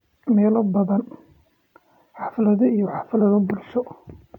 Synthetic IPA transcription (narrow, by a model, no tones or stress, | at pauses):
mɛːlɔbɐðɐn | ħɑflɐðɐijɔħɑflɐðɐbʊlʃɔ